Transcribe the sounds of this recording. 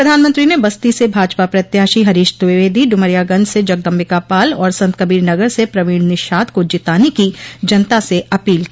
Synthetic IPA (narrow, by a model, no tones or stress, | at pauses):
pɾɐd̪ʱaːnmə̃nt̪ɾinebɐst̪isebʱaːd͡ʒpapɾɐt̪jaːʃiɦɐɾɪːʃt̪ʊʋɪʋeːd̪ʱiɖʊməɾjaɡɐ̃nd͡ʒsed͡ʒɐɡ̚d̪ɐ̃mbɪkapaːlɔːɾsɐ̃nt̪kəbiːɾnɐɡəɾsepɾɐʋiːɽnɪʃaːd̪kod͡ʒɪt̪aːnekid͡ʒɐnt̪aseɐpiːlki